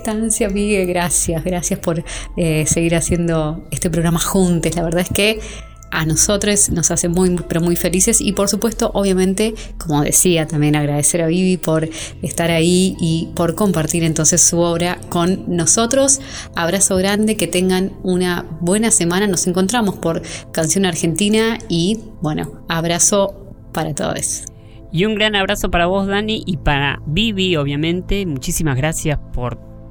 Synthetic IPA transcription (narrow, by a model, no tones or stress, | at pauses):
t̪ansjamiɣeɣɾasjasɣɾasjaspo̞ɾese̞ɣiɾasje̞nd̪o̞est̪e̞p̬ɾoɣɾamaxunt̪eslaβeɾð̞aeske | anoso̞t̪ɾesno̞sasemujpeɾo̞mujfe̞lise̞sḭpo̞ɾsupwe̞st̪o̞ʔoβ̞jamẽ̞nt̪e̞ | komo̞ðḛsiat̪ambje̞naɣɾaðeseɾaβiβipo̞ɾ | est̪aɾaiipo̞ɾko̞mpaɾt̪iɾe̞nt̪o̞nsesːuoβɾako̞nːoso̞t̪ɾos | aβ̞ɾaso̞ɣɾand̪eket̪eŋɡanunaβwenase̞mãnanose̞ŋko̞nt̪ɾamospoɾkansjo̞naɾxe̞nt̪inai | bweno̰ | aβɾaso̞ | paɾat̪o̰ðḛs | juŋɡɾanaβɾasopaɾaβo̞zðaniʔipaɾa̰βiβioβjamẽ̞nt̪e̞mut͡ʃisimazɣɾasjaspoɾ